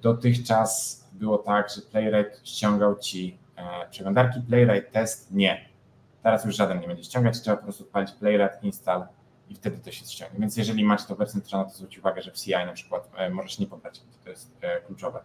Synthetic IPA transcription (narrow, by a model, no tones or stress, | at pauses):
d̪̥ɔt̪ɘxt͡ʂasbɘwɔt̪aɡʐɛplɛjɾajt̪ɕt͡ɕɔŋɡawt͡ɕi | pʂɛɡlɔnd̪aɾkʲiplɛjɾajt̪ːɛst̪ɲɛ | t̪ɛɾasjuʐʐad̪ɛnɲɛbɛɲd͡ʑɛʃɕt͡ɕɔ̃ŋɡat͡ɕtʂɛbapɔpɾɔst̪upalʲit͡ɕplɛjɾat̪inst̪al | ift̪ɛd̪ɘt̪ɛɕɛsɕt͡ɕɔ̃ŋɡɲɛvʲjɛnsjɛʐɛlʲimat͡ɕt̪ɔvɛɾt̪sɛnt̪ɾvanɛt̪ɔzvɾut͡ɕit͡ɕuvaɡɛʐɛfsʲiajnapʂɘ̥kwat̪mɔʐɛʂɲɛpɔbɾat͡ɕbɔt̪t̪ɔjɛst̪klut͡ʂɔvɛ